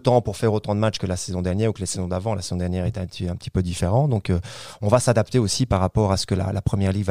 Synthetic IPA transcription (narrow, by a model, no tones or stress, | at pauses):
t̪ɑ̃puʁfɛʁot̪ɑ̃d̪əmatt͡ʃkəlasɛzɔ̃d̪ɛʁnjɛːʁukəlesɛzɔ̃d̪avɑ̃lasezɔ̃d̪ɛʁnjɛʁet̪ɛɛ̃t̪iɛ̃pət̪i̥pød̪ifeʁɑ̃d̪ɔ̃køɔ̃vasad̪apt̪eosipaʁːapɔʁasə̥kəla̰lapχəmjɛʁliɡva